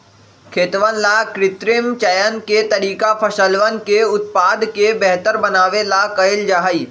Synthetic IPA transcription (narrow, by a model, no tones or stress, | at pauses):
kʰeːt̪ʋənlakɾɪt̪ɾɪmt͡ʃɐjənket̪ɐɾiːkapʰəʃəlʋənkeʊt̪̚paːd̪kebɛɦt̪əɾbɐnaːʋelakɐɪld͡ʒaːɦəiː